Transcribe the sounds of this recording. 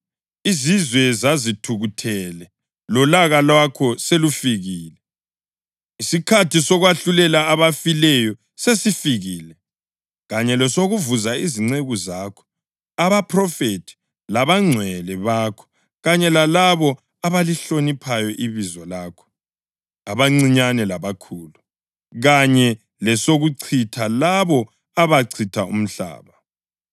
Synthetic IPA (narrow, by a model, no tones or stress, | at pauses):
izizwɛzazitʰuɣutʰɛlɛ | lɔlaɣalwakʰɔselufiɣiːlɛ | isikʰatʰisɔɣwaɬulɛlaːβafilɛjɔ | sesifiɣiːlɛ | ɣaɲɛlɔsoɣuvuzaiziŋ͡ǀeɣuzaːkʰɔ̥ | aβapʰrɔfetʰi̥ | laβaŋ͡ǀʱwɛlɛβaːkʰɔ̥ | ɣaɲɛlalaβɔ | aβaliɬonipʰajɔʔiβizɔlaːkʰɔ̥ | aβaŋ͡ǀiɲanɛlaβakʰuːlu | ɣaɲɛ | lɛsoɣuǀʰitʰalaβɔ | aβaǀʰitʰaṵm̩ɬa̰ːβa